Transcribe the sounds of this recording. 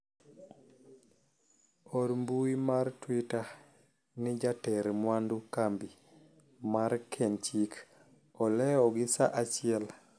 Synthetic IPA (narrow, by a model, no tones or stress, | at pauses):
ɔɾmbuimaɾtwita | nid͡ʒatɛɾmwandukambi | maɾkʰɛnt͡ʃik | ɔlɛɔɡɪsa̰ʔat͡ʃɪɛl